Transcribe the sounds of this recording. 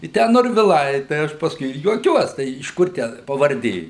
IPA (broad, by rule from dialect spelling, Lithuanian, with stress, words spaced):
ɪ ˈtʲæː noːrʲʋʲɪˈlˠɐɪ tɐɪ ˈɐʃ pɐsˈkʊɪ ɪr juɔˈkʲuɔs tɐɪ ɪʃ ˈkʊr tʲæː pɐʋɐrʲˈdʲeː